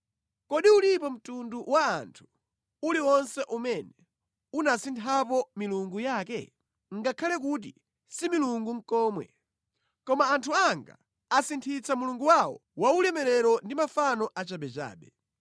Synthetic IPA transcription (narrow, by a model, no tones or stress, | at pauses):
kɔɗiulipɔm̩tunduwaːntʰu̥ | uliwɔnsɛʔumɛnɛ | unasintʰapɔmiluŋɡujaːkɛ̰ | ŋɡakʰalɛk̬ut̬i | similuŋɡuŋ̩kɔːmwɛ̰ | kɔmaːntʰuaŋɡa̰ | asintʰit͡samuluŋɡuwawɔwaulɛmɛɾɛɾɔndimafanɔʔat͡ʃaɓɛt͡ʃa̰ːɓɛ